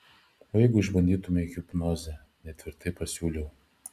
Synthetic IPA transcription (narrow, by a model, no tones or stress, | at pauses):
oːjɛɪɡʊɪʒbɐnʲd̪ʲiːt̪ʊmʲɛɪɡʲɪpnoːzʲɛ | nʲɛt̪ʲʋʲɪɾt̪ɐɪpɐsʲuːlʲɛʊ